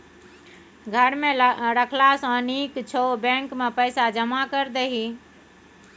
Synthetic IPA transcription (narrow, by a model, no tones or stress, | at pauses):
ɡʱəɾmẽɾəkʰlasə̃nikt͡ʃʰobẽŋkmepəɪsad͡ʒəmakəɾd̪eɦi